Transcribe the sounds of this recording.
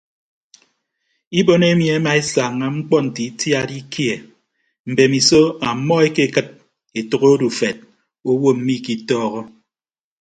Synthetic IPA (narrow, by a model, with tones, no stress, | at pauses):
i˦bo˦ne˦mji˨e˦ma˨e˦sa˨ŋːa˦ŋ͡m̩˦k͡pɔ˦n̩˨ti˨˦tja˦di˦kje˨ | m̩˨be˨mi˨so˦a˨mːɔ˦e˦ke˦˨kɨ˦t̚ | e˨tu˨ɣo˦du˨fe˨t̚ | o˦wo˦m̩˦mi˦˨ki˦tɔː˦ɣɔ˦